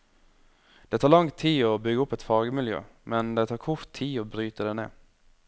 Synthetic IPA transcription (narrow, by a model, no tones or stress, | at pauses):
d̪̥ɛt̪ʰɑːlɑŋt̪ʰiːɔbʏɡəʊpːɛt̪fɑːɡəmɪljø̰ːmɛnd̪ɛt̪ʰɑːɾkʰʊɾt̪ʰːiːɔbɾyːt̪əd̪eːnḛː